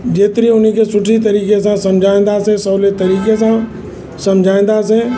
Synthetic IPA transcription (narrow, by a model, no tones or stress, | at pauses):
d͡ʒeːt̪ɪɾiʊnɦikesʊʈʰit̪̬ɐɾiːkesãsɐmd͡ʒʱaːɪ̃n̆d̪asẽsəːlet̪əɾiːkes̬ã | sɐmd͡ʒʱaːɪ̃n̆d̪asẽ